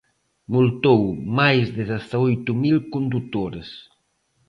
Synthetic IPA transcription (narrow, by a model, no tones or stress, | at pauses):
mult̪owmajzðɪðaθaojt̪umilkund̪ut̪oɾes